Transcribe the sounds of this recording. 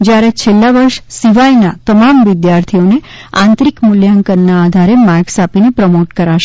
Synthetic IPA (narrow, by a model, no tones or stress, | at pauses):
d͡ʒjaɾet͡ʃʰelːaʋəɾʃsiʋajnat̪əmamʋɪd̪jaɾt̪ʰijone | ã̰nt̪ɾikmʊljaŋkənnaːd̪ʱaɾemaɾksapinepɾəmoʈkəɾaʃe